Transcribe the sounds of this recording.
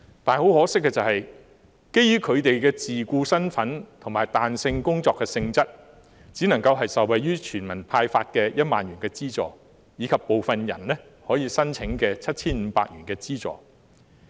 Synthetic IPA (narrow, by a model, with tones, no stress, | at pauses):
t̪aː˨nho˨˥whɔː˨˥sɪ˥kːɛː˧t͡sɐ˨˩hɐ˨j | ke˥jyː˥kʰɵ˨˧ɥt̪e˨jkɛː˧t͡siː˨kuː˧sɐ˥nfɐ˨˥nt̪ʰʊ˨˩maː˨˩jt̪aː˨nsɪ˧ŋkʊ˥ŋt͡sɔː˧kːɛ˧sɪ˧ŋt͡sɐ˥t̚ | t͡siː˨˥nɐ˨˩ŋkɐ˧wɦɐ˨jsɐ˨wɐ˨jyː˥t͡ʃʰyː˨˩nmɐ˨˩npʰaː˧jfaː˧t̚kɛː˧jɐ˥t̚maː˨njyː˨˩nkɛː˧t͡siː˥t͡sɔ̰ː˨ | jiː˨˧kʰɐ˨pːo˨wfɐ˨njɐ̰˨˩nlɛ˥ | hɔː˨˥jiː˨˧sɐ˥nt͡sʰɪ˨˥ŋkɛː˧t͡sʰɐ˥t̚t͡sʰiː˥nm̩ː˨˧˥paː˧k̚jɥyː˨˩nkɛː˧t͡siː˥t͡sɔ̰ː˨˩